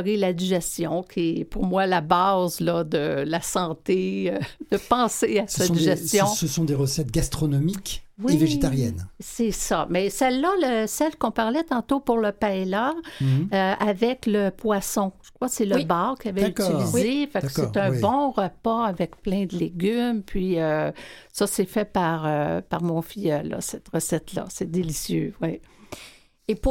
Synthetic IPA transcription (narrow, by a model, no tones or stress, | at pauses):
ʁilad̪iʒɛst̪jɔ̃kʲʰiɛpʊʁmwalabazlɔd̪əlasɑ̃t̪eød̪̥əpɑ̃seasãiʒɛsjɔ̃səsɔ̃d̪eʁəsɛt̪ɡʲast̪χɔnɔmikʲwieveʒet̪aʁjɛnsɛsamɛsɛlːaləsɛlkɔ̃paʁlɛt̪ɑ̃t̪opuʁləpaela | øavɛkləpwasɔ̃ʒ̥ə̥kʁwasɛləbɑːʁkʲiavɛyt͡sːilizefakskeʁt̪ɛ̃bɔ̃ʁəpaavɛkplɛ̃d̪əleɡʲympʰɥiø | sasɛfɛpaʁøpaʁmɔ̃fijœlːa̰sɛt̪ʁəsɛt̪la̰sɛd̪elisjøwɛ | ep